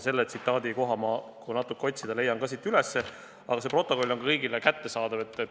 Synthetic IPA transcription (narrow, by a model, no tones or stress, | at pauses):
se̞lːet̪sit̪ːˑɑːd̪iko̞ɦɑmɑkunɑt̪ːˑukːeo̞t̪ʲsid̪̥ɑle̞jːɑnkɑs̬it̪ːˑylesːe̞ | ɑ̰ɡ̥ɑse̞pro̞t̪ːˑo̞ko̞lːo̞nɑkɤjɡilekæt̪ːe̞sɑːd̪ɑve̞t̪ːˑ